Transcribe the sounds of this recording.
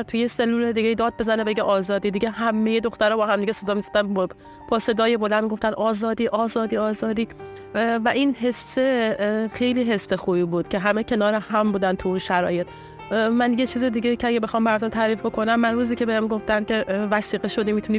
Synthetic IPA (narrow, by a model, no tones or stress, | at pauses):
t̪ʰujese̞lːuːled̪iːɡeid̪ɒːd̪̚be̞zænebe̞ɟeʔɒːzɒːd̪iːd̪iɡeɦæmːe̞jed̪o̞xt̪æɾɒːbɒːɦæmd̪iɡɟese̞d̪ɒːmizofd̪æn | b̥ɒːse̞d̪ɒːje̞bo̞lænd̪miɡo̞ft̪ænɒːzɒːd̪iːʔɒːzɒːd̪iːɒːzɒːd̪iː | væʔinɦe̞sːexe̞jliːɦe̞sːexuːbiːbuːd̪̥cʰe̞ɦæmecʲʰe̞nɒːɾehæmbuːd̪ænt̪ʰuunʃæɾɒːje̞t̪ | mænjet͡ʃʰiːzed̪iɟeicʰeæɡʲebexɒːmbæɾd̪ɔmt̪ʰæɾiːfbo̞kʰo̞næmːænɾuːziːcʲʰe̞behemɡo̞ft̪ænkʲʰe̞væsiːɣeʃo̞d̪imiːt̪ʰuni